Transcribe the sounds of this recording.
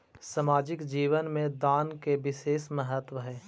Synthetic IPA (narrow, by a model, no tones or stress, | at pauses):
sɐmaːd͡ʒɪkd͡ʒiːʋənmẽd̪aːnkeʋɪseːsməɦət̪wəɦɛː